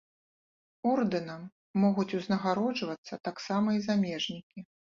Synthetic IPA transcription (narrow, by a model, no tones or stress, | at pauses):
ɔrd̪ɨnɐmː | ɔɣut͡sʲuznɐɣaɾɔd͡ʐvɐt̪sːɐt̪aksamɐizamʲɛʐnʲikʲi